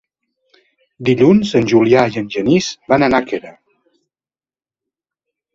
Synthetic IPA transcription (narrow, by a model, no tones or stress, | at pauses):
d̪iʎunzənʲʒuliaiənʲʒənizbanənakeɾə